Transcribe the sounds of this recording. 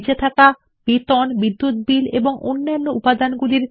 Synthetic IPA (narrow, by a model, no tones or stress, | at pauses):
d͡ʑet̪ʰaka | bit̪ɔnbid̪ːut̪̚bilḛboŋo̰nːanːoupad̪anɡuliɾ